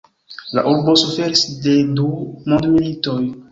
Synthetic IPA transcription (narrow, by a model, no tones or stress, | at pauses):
la̰ʔuɾbo̞sufe̞ɾisde̞dumondmilitoj